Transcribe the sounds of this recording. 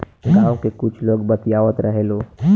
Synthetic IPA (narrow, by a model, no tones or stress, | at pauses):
ɡãːw̃kekʊt͡ʃʰloːɡbət̪ijaːʋət̪ɾəɦeloː